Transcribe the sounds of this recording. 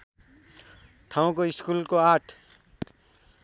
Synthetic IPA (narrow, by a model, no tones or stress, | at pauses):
ʈʰaũkoɪskulkoaʈʰ